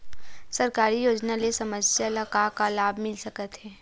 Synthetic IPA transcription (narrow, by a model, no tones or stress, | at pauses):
sɐɾkaːɾijoːd͡ʒnalesɐməsjalɐkakalaːbʱmɪlsɐkət̪ɦɛː